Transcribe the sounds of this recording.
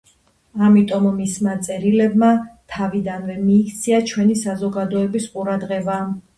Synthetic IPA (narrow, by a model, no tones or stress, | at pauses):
amit̪ʼɔmːismat̪sʼɛɾilɛbmat̪ʰavid̪anvɛmiːkt̪sʰiat͡ʃʰwɛnisazɔɡad̪ɔɛbisqʼuɾad̪ʁɛba